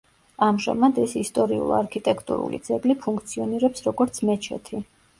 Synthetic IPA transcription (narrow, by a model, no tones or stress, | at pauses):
amʒa̰mad̪ɛsist̪ʼɔɾiṵlˠa̰ɾkʰit̪ʼɛkʰt̪ʼṵɾṵlḭd̪zɛɡlipʰuŋkʰt̪sʰiɔniɾɛpsɾɔɡɔɾt̪sʰmɛt͡ʃʰɛ̰t̪ʰi